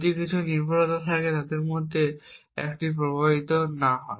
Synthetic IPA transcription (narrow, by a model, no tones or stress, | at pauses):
d̪ikit͡ɕʰuniɾbʱoɾot̪ot̪ʰaket̪ad̪eɾmod̪ʱːe | ɛ̰kʈip̬ɾobabit̪onaɦɔe